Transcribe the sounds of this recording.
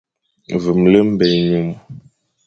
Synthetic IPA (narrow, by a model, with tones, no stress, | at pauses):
vɨ˨mlə˦m̩˦bɛ˨ɲu˦m